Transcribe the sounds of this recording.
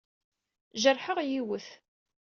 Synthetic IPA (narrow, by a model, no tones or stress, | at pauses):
ʒəɾˤːħəʁjiwəθ